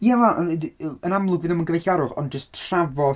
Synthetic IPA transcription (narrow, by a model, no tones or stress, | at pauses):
javaʔənamlˠʊɡvɪnɔmənɡəvɛjɬaɾʊχɔ̰nd͡ʒəstʰravɔ